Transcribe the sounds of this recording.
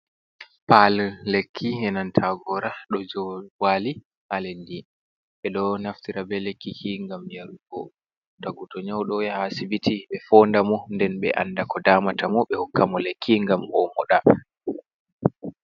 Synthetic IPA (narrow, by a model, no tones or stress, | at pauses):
pallekʰːihɛnantʰaɡɔɾaɗɔd͡ʒɔwali | halendi | ɓɛɗɔnaftiɾabɛlekːikʰiŋɡamjaɾuɡɔ | taɡutɔɲawɗɔjahasibitiɓɛfɔndamɔndɛnɓɛ̰ʔa̰nːdakɔdamatamɔɓɛhukːamɔlekʰːiŋɡamʔɔmɔɗa